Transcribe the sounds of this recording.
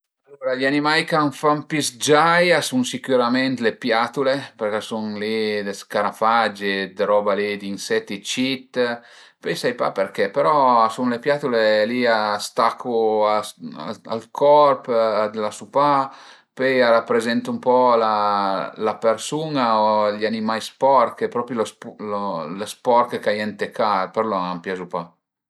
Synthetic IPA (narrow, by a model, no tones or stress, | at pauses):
alːoɾaʎanimajkaɱfampisd͡ʒajasuŋsikuɾamɛnt̪lepjat̪uleperkɛsunlid̪eskaɾafad͡ʒed̪eɾɔbalid̪insɛt̪ːit͡ʃit̪ː | pɛjsajpa̰peɾkɛpeɾɔasunlepjat̪uleliast̪akʰːuaa̰a̰lkʰɔrpad̪lasupa | pɛjaɾapːɾezɛnt̪umpɔlalapeɾsunaoʎanimajspɔrkepɾɔpɾiloslolespɔrkekajɛnt̪ekaɾpeɾlɔampjazupa